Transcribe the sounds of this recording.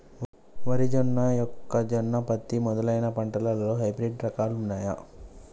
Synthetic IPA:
ʋɐɾid͡ʒɔnːɐjɔkːɐd͡ʒɔnːɐpɐt̪ːimɔd̪ɐlɐjnɐpɐɳʈɐlɐlɐloːɦɐjbɾeɖɾɐkaːlunːaːjɐ̰

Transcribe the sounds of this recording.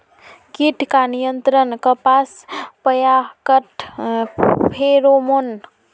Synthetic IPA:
kiʈʰkanijənt̪ɾənkəpaspəjakəʈʰ | pʰeɾomon

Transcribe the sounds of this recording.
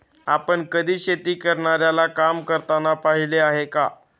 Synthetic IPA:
apəɳkəd̪ʱiːɕet̪iːkəɾɳaɾjalakamkəɾt̪anapaɦileaɦeka̰

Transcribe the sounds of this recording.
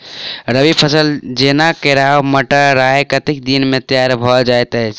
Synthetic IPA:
ɾəbipʰəsəld͡ʒenakeɾaɦoməʈaɾaɦekət̪ik̚d̪inmet̪jaɾbʱɔd͡ʒaet̪əɦt͡ʃʰ

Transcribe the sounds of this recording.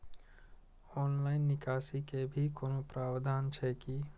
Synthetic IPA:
ɔːnlaːɪnːɪkaːsikebʱikoːnõpɾaːʋd̪ʱaːnt͡ʃʰɛki

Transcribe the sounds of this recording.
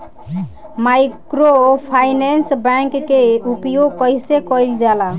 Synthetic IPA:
majkɾopʰajnensbɛ̃ŋkːeupjoɡ̚kəisekɔjld͡ʒala

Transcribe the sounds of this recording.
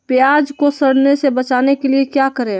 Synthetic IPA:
pjaːd͡ʒkosəɽnesebət͡ʃaːnekeliekjakəɾẽ

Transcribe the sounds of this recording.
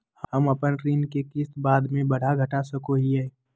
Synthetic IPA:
hhəmɐpənɾiːnkekɪst̪baːd̪mẽbɐɽ̤aɡʱɐʈasəkoɦiɛː

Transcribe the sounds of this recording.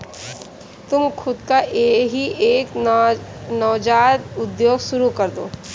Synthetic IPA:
t̪ʊmxʰʊd̪kaʔeːɦiʔeːk | nɔːd͡ʒaːd̪ʊd̪joːɡʃʊɾukɐɾd̪oː

